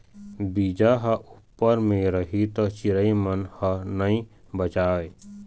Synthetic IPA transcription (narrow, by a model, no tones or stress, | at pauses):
biːd͡ʒaɦɐʔupːəɾmẽɾəɦit̪ɔt͡ʃɪɾəimənhənəĩ | bət͡ʃaːʋeː